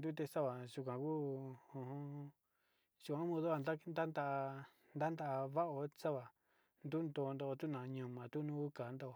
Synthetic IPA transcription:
nd̪u˦t̪e˧sa˦βa˨ʒu˧k̬ʷã˨ku˦õ˧hõ˧ | ʒ̥u˧kʷã˨˧˦mõ˧ðo˦a˧na˦nd̪a˦nd̪a˦ʔ | nd̪a˦nd̪a˧ʔa˧βa˦ʔo˧sa˦βa˨ | nd̪u˦nd̪o˧˨˧nd̪o˧ʔo˧t̪u˦nã˨˧ɲũ˧˨mã˨t̪u˦nũ˦u˦ka˨˦nd̪o˦ʔo˧˨

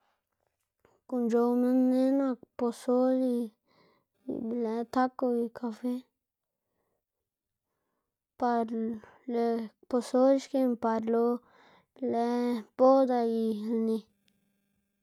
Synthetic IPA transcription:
ku˧nd͡ʒo˧wmẽ˦nnẽ˦nã˦˧po˧so˦li˧ | blɛ˧˦t̪a˦ko˧i˧kʰa˧fe˦ | pa˧ɾ | e˧ | po˧so˦ʃke˧mpa˧ɾlo˧˦ | blɛ˦po˦d̪a˧i˧lnĩ˧

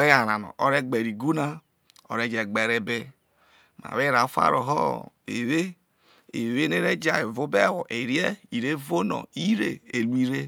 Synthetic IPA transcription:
e˦ja˨ɾa˨nɔ̰˨o˦ɾe˦ɡ͡be˨ɾi˨ɡu˦na˦ | o̰˨ɾe˦d͡ʒe˨ɡ͡be˨ɾe˦be˦ | ma̰˨we˦ɾa˨˦fa̰˦ɾo̰˨ɦɔ̰˦ | e˨we˦ | e˨we˦ne˦ɾe˦d͡ʒa˨e˨vu˦be˦˨wɔ˨ʔe˨ɾje˦i˨ɾe˦vo˦nɔ̰˨i˦ɾe˨e˨lu˦i˦ɾe˦

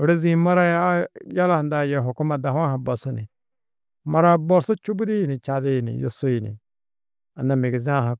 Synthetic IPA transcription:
o˨ɾe˦zĩ˦ma˦ɾa˦jja˦la˦˨nda˨jɛ˨ɦo˨ku˦ma˨da˨ɦa˦ɦã˨bɔ˨su˦nḭ˨ | ma˦ɾa˦bɔ˦˨ɾso˦t͡ʃu˦bu˦de˦ji˨ni˨t͡ʃa˨de˦jnḭ˨jo̰˨so˦ji˨nḭ˨ | a˨na˨mi˨ɡi˨zã˦ɦa˨

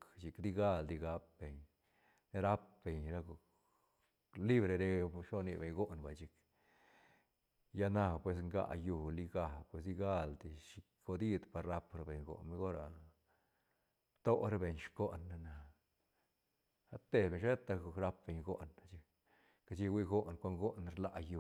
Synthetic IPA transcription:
kt͡ʃi˨kd̪i˧ɡa˦ld̪i˧ɡa˧p̚be˨ɲ | ne˦ɾa˦p̚be˨ɲɾa˧ɡo˨k | li˦bɾe˧ɾe˧ʃo˦ni˧be˨ɲɡo˦nba˨t͡ʃi˧k | ja˦na˧pwe˧s̬ŋɡa̰˧˨ju˧˨li˧ɡa˧˨pwe˧s̬d̪i˧ɡa˦ld̪i˧ʃi˧kːo˧d̪i˦d̪pa˨ɾːa˦pɾa˧be˨ɲɡo̰˨nmi˦ɡo˦ɾa˨ | b̥t̪o˦ɾe˦be˨ɲʃko˦ʔna˧na˨ | a˦t̪e˧be˨ɲʃt̪a˧ɡo˨kɾa˧p̚be˨ɲɡo˦ʔna˨t͡ʃi˧k | ka˧t͡ʃi˦wi˦ɡo˦ʔnkʷa˧˦ŋɡo˦nɾla˧ju˨

